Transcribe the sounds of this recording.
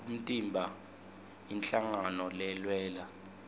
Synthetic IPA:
um̩tʼimbʱa | int͡ɬaŋanɔlɛlwɛːla

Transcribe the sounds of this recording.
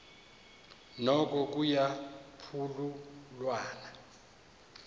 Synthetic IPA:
nɔk̬ʼɔk̬ʼujapʰululwaːna

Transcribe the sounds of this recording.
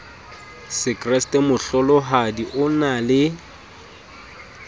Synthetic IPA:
sɪkrɛstʼɛmʊɬɔlɔɦadiʔʊnalɪ

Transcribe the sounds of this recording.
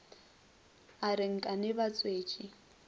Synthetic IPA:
aɾɪŋ̩kʼanɪbat͡sʼweːt͡ʃʼi

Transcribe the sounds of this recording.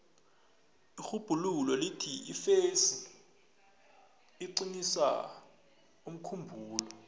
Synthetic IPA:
ixub̥ʱululɔlitʰiifesi | iǀinisa̰ | um̩kʰumbʱuːlɔ

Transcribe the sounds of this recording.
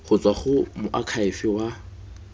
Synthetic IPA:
χʊt͡sʼwaχʊmʊʔakʰaɪfɪwa

